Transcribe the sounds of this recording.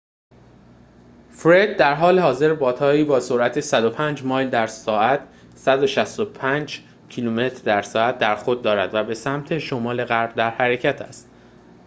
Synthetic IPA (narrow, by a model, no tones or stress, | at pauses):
fɾe̞d̪̚d̪æɾɦɒːle̞hɒːze̞ɾbɒːt̪ʰɒːiːbɒːsoɾʔæt̪ʰe̞sæd̪o̞pʰæːnd͡ʒmɒːjld̪æɾsɒːæt̪ʰ | sæd̪o̞ʃæst̪opʰæːnd͡ʒ | cʰiluːme̞t̪ʰɾd̪æɾsɒːæt̪̚d̪æɾxod̪̚ːɒːɾæd̪væbe̞sæmt̪ʰe̞ʃomɒːle̞ɣæɾbd̪æɾhæɾe̞cʰæt̪ʰæst̪